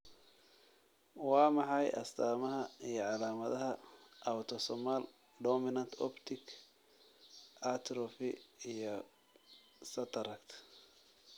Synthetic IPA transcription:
wɑːmɑħɑjʔɐ̰st̪ʰaːmɐɦɐijɔʕɑlaːmɐðɐɦɐʔɐwt̪ʰɔsɔmal | d̪ɔmɪnɐnt̪ʰɔpt̪ʰɪkʰ | ɐt̪ʰɾɔfɪijɔ | sɐt̪ʰɐɾɐkt̪ʰ

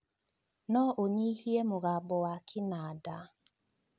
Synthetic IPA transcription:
nɔʔoɲihiemoɣabɔwakʰɪnada

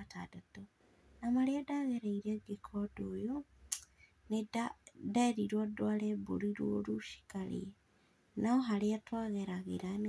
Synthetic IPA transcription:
atadato | namaliadaɣeɾeiɾeɡekʰodojo | nedadaiɾiɾwodwalebuɾiɾuoluʃi̥kalḭe | naoɦaliatwaɣeɾaɣḭɾan

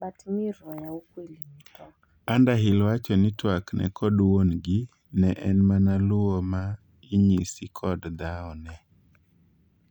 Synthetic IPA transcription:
ɓatmiɾɔjaukwilitɔ | andaɦɪlwat͡ʃɔnɪtwaknɛ̰kʰɔdwonɡɪ | nɛʔɛnmanalʊɔma | ɪɲisɪkʰɔdd̪aɔnɛ

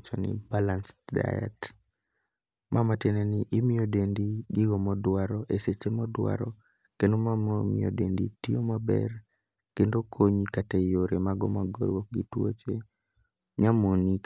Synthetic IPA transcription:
t͡ʃɔnɪ̰balansda̰ɛ̰t | mʔamatenenɪʔɪmɪodendiɡɪɡɔmɔdwaɾɔʔeset͡ʃemɔdwa̰ɾɔ | kendomamɔmɪ̰o̰denditijomabɛ̰r | kendokʰoɲikatejoɾemaɡɔmaɡɔ̰ɾwɔk̚ɡɪtwo̰t͡ʃe | ɲamonik

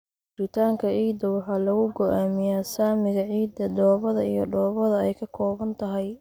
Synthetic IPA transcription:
ʊɾɪt̪ʰaːŋkʰɐʕiːd̪ɐwɑħɑːlɐɣʊɡɔʔaːmɪjaːsaːmɪɣɐʕiːd̪ɐd̪ɔːβɐðɐijɞɖɔːβɐðɐɛjkʰɐkʰɔːβɐnt̪ʰɐɦɛj

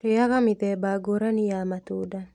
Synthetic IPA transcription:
kejakamɪt̪ɛbaɡoɾanɪjamat̪uda

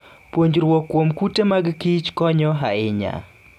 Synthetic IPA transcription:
pwoɲd͡ʒɾwokːwomkutemaɡkit͡ʃkɔɲɔɦaɪɲa̰

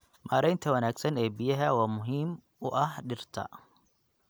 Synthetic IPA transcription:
maːɾɛjnt̪ʰɐwɐnaːɡsɐnɛːbɪjɐɦɐwɑːmʊɦiːm | ʊʔɐhɖɪrt̪ʰɐ̰

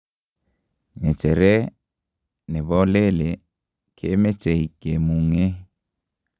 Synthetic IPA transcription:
ɲet͡ʃeɾe | neβɔlele | kʰemet͡ʃehikemuŋe

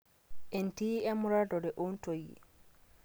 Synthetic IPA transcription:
ʔentiɛmuɾadɔdɛʔontojḭ

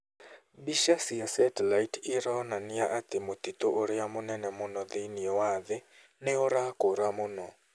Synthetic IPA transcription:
biʃasɪasɛtɛlajtʰɪɾɔnanɪaʔat̪ɪmot̪it̪oʔoɾɪamonɛnɛmʊnɔðɪnɪɔwaðɪ | nɛɔɾakoɾamʊnɔ

